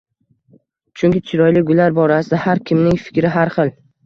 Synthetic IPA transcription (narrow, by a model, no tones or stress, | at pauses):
t͡ʃʰʊŋkʲɪt͡ʃʰɪɾɒjlɪɡʊlaɾbɒɾasɪd̪ahaɾkʲʰɪmnɪŋfɪ̥kʲɾɪɦaɾχɨlˠ